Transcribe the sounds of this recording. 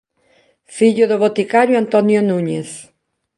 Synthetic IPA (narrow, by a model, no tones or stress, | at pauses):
fiʎʊðoβot̪ikaɾjoant̪onjonũɲeθ